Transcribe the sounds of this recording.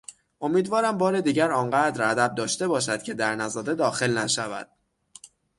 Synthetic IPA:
ʔo̞miːd̪vɒːɾæmbɒːɾe̞d̪iːɟæɾɒːŋɢæːd̪ɾæd̪æb̚d̪ɒːʃt̪e̞bɒːʃ̬æd̪̥cʰe̞d̪æɾnæzɒd̪ed̪ɒːxe̞lnæʃævæ̰d̪̥

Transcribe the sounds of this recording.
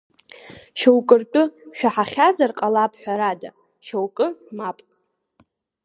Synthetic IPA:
ʃowkʼɨrtʼʊʃᶣaħaχʲazarqʼalapʰħʷᶣaɾada̰ | ʃowkʼɨmapʼ

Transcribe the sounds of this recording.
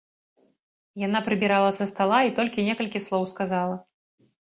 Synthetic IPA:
janapɾɨbʲiɾalˠɐsɐst̪alˠait̪ɔlʲkʲinʲɛkɐlʲkʲislˠɔwskazalˠɐ

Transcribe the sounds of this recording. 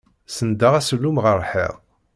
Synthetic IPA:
sənd̪əʁæsəlːumʁəɾˤħḭʁ

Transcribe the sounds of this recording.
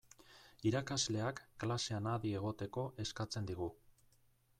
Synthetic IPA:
iɾakazle̞akːlase̞anaðie̞ɣ̞o̞t̪e̞ko̞ʔe̞skat͡se̞nd̪iɣu

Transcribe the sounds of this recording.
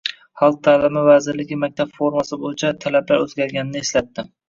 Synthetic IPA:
hɑlˠt̪̚t̪ʰːalɪmavazɪɾlɪkʲɪmak̚ʲt̪ʰapfoɾmasɪbojɪt͡ʃʰat̪ʰalablaɾɵzɡʲaɾɡʲanɪnɪːslat̪ːɪ

